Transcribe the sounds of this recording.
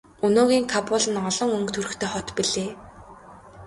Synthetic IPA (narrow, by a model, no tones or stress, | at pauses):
ɵnoːɣʲiːŋkʰapʊːɮə̆nɔɮɞ̆ŋɵŋkt̪ʰɵɾɘ̆xt̪ʰeːχɔt̪piɮeː